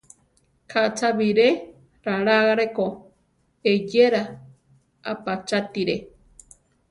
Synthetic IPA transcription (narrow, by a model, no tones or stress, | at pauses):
kʰat͡ʃaβiɾe | ɾaɾaɣaɾeko | ed͡ʒeɾa | apat͡ʃat̪iɾe